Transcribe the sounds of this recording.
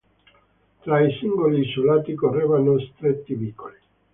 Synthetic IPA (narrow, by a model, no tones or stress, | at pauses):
t̪ɾaisiŋɡolisulaːt̪ikorːeːvanost̪ɾet̪ːivikːoli